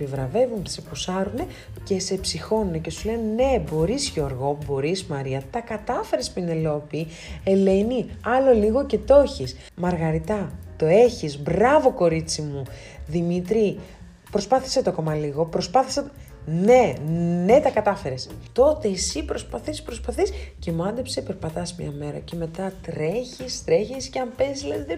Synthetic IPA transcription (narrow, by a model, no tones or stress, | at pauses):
epivɾɐve̞vunt̪sepusɐɾune̞ | ce̞se̞psixo̞nunece̞sule̞nene̞bo̞ɾizʝo̞ɾɣo̞bo̞ɾismɐɾiɐt̪ɐkɐt̪ɐfe̞ɾespine̞lo̞pi | e̞le̞niɐlo̞liɣo̞ce̞t̪o̞çis | mɐɾɣɐɾit̪ɐt̪o̞e̞çizbɾɐvo̞ko̞ɾit͡simu | ðimit̪ɾi | pɾo̞spɐθi̥set̪o̞ko̞mɐliɣo̞pɾo̞spɐθi̥se | ne̞ne̞t̪ɐkɐt̪ɐfe̞ɾe̞st̪o̞t̪e̞ːsipɾo̞spɐθispɾo̞spɐθisce̞muɐnd̪epsepe̞ɾpɐt̪ɐsmɲɐ̰me̞ɾɐ̰ce̞me̞t̪ɐt̪ɾe̞çist̪ɾe̞çisceɐmpe̞sileðe